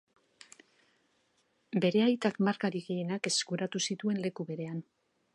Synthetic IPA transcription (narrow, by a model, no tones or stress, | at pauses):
be̞ɾe̞ajt̪akmaɾkaɾiɣeje̞nake̞skuɾat̪usit̪ue̞nle̞kuβe̞ɾe̞an